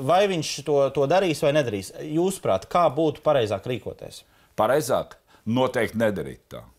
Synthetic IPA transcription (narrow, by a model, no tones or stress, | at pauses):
vajviɲʃt̪uɔt̪uɔd̪aɾiːsvajnɛd̪aɾiːsjuːspɾa̰ːt̪kaːbuːt̪u̥paɾɛjzaːkɾiːkuɔt̪ḛs | paɾɛjzaːk | nuɔt̪ɛjk̚t̪nɛd̪aɾḭːt̪ːa̰ː